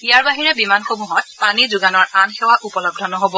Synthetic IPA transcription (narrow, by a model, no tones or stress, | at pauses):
ijaɹbaɦiɹɛbimanxomuɦɔt̚panizuɡanɔɹanxɛwaʔupɔlɔb̚dʱɔnɔɦobɔ